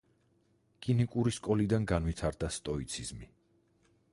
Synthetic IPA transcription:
kʼinikʼuɾiskʼɔlid̪anɡanvit̪ʰaɾd̪ast̪ʼɔit̪sʰiz̥mi

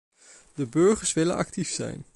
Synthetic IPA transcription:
dəbɵɹχəɹsʋɪlə̰nʔɑ̰ktifsɛ̰jn

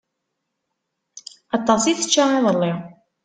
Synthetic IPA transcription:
ɑt̪ˤːɑsiθə̥t͡ʃːaɑðˤəlːiʁ

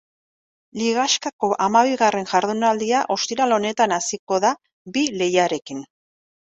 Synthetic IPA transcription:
liɣaskako̞ʔamaβ̞iɣare̞nʝaɾðunald̪iaʔo̞st̪iɾalo̞ne̞t̪anasiko̞ða | bile̞jaɾe̞kin

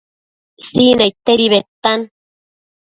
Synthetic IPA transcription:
sinejt̪eɾiβet̪ːan

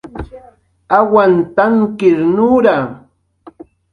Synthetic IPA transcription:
awant̪aŋkɪɾnuːɾa

